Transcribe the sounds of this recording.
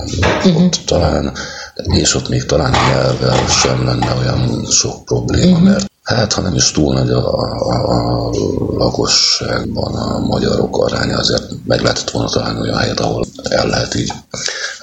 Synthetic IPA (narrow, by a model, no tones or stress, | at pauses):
t̪ːɒlaːneːʃo̞t̪ːmeːkt̪ɒlaːnɲɛlvɛlʃɛmlɛnːɛo̞jɒnʃo̞k̚pro̞bleːmɒmɛrt̪ | haːt̪hɒnɛmiʃt̪uːlnɒɟɒ | lɒko̞ʃaːɡ̚bɒnɒmɒɟɒɾo̞kɒɾaːɲɒɒzḛːrt̪mɛɡlɛɦɛt̪ʰɛ̥t̪ʋo̞lnɒt̪ɒlaːniojɒ̰nɛjɛt̪ɒho̞̰l | ɛ̰lːɛɦɛt̪iːɟ